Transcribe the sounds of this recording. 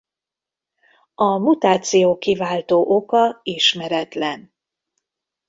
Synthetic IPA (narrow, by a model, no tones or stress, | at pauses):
ɒmut̪aːt̪sijoːkivaːlt̪oːʔokɒiʃmɛɾɛt̪lɛn